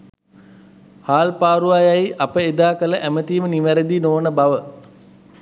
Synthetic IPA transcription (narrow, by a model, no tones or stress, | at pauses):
haːlpaːɾuajajʔapəed̪aːkələʔæmət̪iːməniʋæɾəd̪inoːnəbaʋə